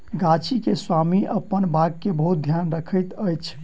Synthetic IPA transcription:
ɡat͡ʃʰikeswamiʔəpːənbaɡ̚kebəɦut̪̚d̪ʱjanɾəkʰəjt̪əjt͡ʃʰ

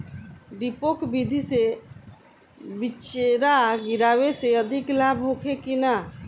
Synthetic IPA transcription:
ɖipokbid̪ʱise | bit͡ʃeɾaɡiɾaweseəd̪ʱiklabɦokʰekina

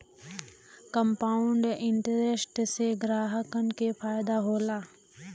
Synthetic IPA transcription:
kəmpaːʊɳɖɪɳʈəɾesʈseɡɾaːɦəkənkepʰaːjd̪aɦoːlaː

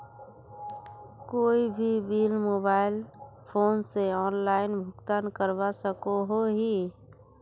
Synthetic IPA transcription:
koːibʱibiːlmoːbaːɪl | pʰoːnseɔːnlaːɪnbʱʊkt̪aːnkəɾbasəkoɦoɦi

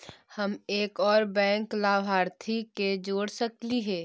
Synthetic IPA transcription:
həmeːkɔːɾbɛ̃ːŋklaːʋɦaːɾt̪ʰiked͡ʒoːɽsəkliɦɛː

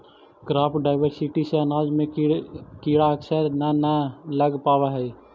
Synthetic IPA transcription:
kɾaːpɖaːɪʋəɾsɪʈiseənaːd͡ʒmẽkiːɽaəksəɾnanaləɡpaːʋaɦɛ

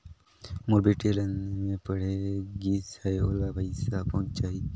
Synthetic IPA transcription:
moɾbiːʈeːlənmẽːpəɽ̤eɡiːsaeoːlaːpəisaːpõːt͡ʃt͡ʃaːi

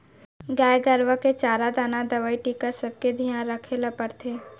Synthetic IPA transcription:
ɡaːjɡəɾʋəket͡ʃaːɾad̪aːnad̪ɐʋaːiʈiːkasɐb̚ked̪ʱijãːnɾɐkʰeləpəɾt̪ʰeː

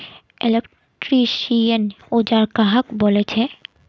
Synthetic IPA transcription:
elek | ʈɾiʃijən | od͡ʒaɾkaɦəkbolet͡ɕʰe

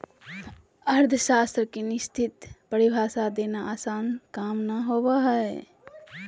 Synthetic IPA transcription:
əɾd̪ʱʃast̪ɾəkenɪst̪ʰit̪pəɾibʱaːsad̪enaʔasaːnkamnaɦobaɦəe

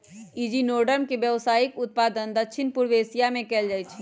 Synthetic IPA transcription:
id͡ʒinoɖəɾmkebjəʋsaːikʊt̪̚pad̪ənd̪əkʃʰinpuɾʋesijamẽkɛːld͡ʒaːjt͡ʃʰ

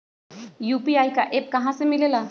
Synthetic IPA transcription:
jupiajkaʔep̚kəɦãsemilela

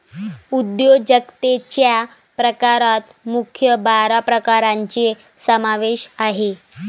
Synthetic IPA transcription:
ud̪jod͡ʑəkt̪et͡ɕja | pɾəkaɾat̪ | mukʰjəbaɾapɾəkaɾaɲt͡ɕe | səmaʋeɕaɦe

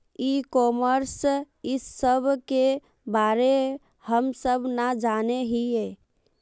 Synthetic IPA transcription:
ikɔməɾs | isəbʱke | baɾe | həmsəbʱnad͡ʒaneɦie

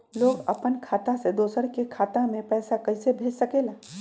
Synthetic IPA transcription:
loːɡɐ̰pənkʰaːt̪ased̪oːsəɾkekʰaːt̪ãmẽpɛːsakɐɪsebʱeːd͡ʒsɐkeːlaː

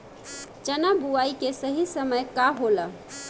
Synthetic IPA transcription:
t͡ʃənabuaikesəɦisəməjkaɦolə

